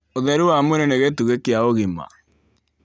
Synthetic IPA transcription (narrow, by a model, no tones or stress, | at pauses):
oðɛɾuwamweɾeneɣetuɣekeaoɣima̰